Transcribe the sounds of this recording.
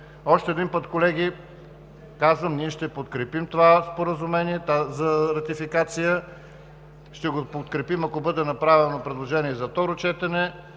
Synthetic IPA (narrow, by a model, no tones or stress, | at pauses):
ɔʃt̪ɛd̪inpət̪kolɛɡ̟i | kazvəmniɛʃt̪ɛpot̪kɾɛpimt̪ovaspoɾəzʊmɛniɛt̪azɐɾɐt̪ifikat̪sijə | ʃt̪ɛɡopot̪kɾɛpimɐkobɤd̪ɛnɐpɾavɛnopɾɛd̪lˠoʒɛniɛzɐft̪ɔɾot͡ʃɛt̪ɛnɛ